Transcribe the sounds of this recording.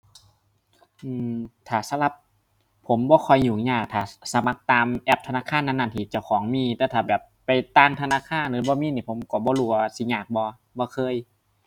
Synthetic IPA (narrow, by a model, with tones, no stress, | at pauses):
ʔɯː˧˩t̪ʰaː˨˩sa˧˦la˧˩p̚ | pʰːo˨˦mbɔː˧˦kʰɔ˧˩jɲuː˨˩ɲaː˧˩k̚t̪ʰaː˨˩sa˧˦ma˧˦k̚t̪aː˧mʔɛː˧˩p̚t̪ʰa˧naː˧˥˨kʰaː˧˥˨nːa˧˨nːa˧˩nt̪ʰiː˧˩t͡ɕa˧˩wkʰɔː˨˩˦ŋmiː˧˩t̪ɛː˧˩wt̪ʰaː˨˩bɛː˨˩pːa˨jt̪aː˧˨ŋt̪ʰa˧naː˧˥˨kʰaː˧˥˨nlɯː˨˦bɔː˧˦miː˧˥˨niː˧˩pʰo˨˦mkɔː˧˩bɔː˧˨luː˧˩˧aː˧si˧˦ɲaː˧˩k̚bɔː˧˦ | bɔː˧kʰɤː˧˨j